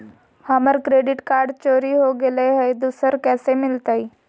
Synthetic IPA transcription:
haməɾkɾeɖiʈkaɾɖt͡ɕoɾiɦoɡeleɦejd̪usəɾkɛːsemɪlt̪əi

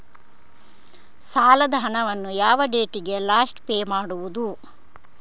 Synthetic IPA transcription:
saːlɐd̪ɐɦɐɳɐʋɐnːujaːʋɐɖeːʈiɡe̞laːsʈpeːmaːɽuʋud̪u

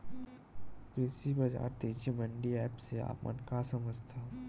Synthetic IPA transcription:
kɾesibɐd͡ʒa̰ːɾt̪eːd͡ʒimə̃ɳɖiɛːpsea̰ːpmə̰nkasəməd͡ʒt̪ʰaː

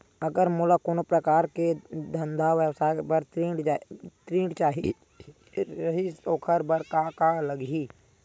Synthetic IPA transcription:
əɡəɾmulakoːnopɾəkaːɾked̪ʱə̃nd̪ʱaʋjəwsaːbəɾiɖt̪ɾĩːɽt͡ʃaːɦi | ɾɐɦisoːkʰəɾbəɾkakaləɡi

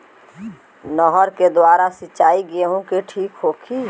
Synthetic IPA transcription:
nɔːɦəɾked̪waːɾasɪt͡ʃaːiɡeɦũkeʈʰiːkɦoːkʰi

